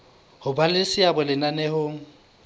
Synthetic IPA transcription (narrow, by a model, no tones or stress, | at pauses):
hʊbalɪsɪabʊlɪnanɛhʊŋ̩